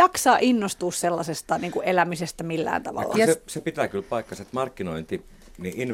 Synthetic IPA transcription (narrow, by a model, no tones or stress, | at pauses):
ɑksɑːʔinːost̪uːsselːɑsest̪ɑniːŋkuʔʔelæmisest̪æmilːæ̰ːnt̪ɑ̰ʋɑ̰lːɑsesepit̪ækylpɑikːɑset̪mɑrkːinoint̪i | niʔin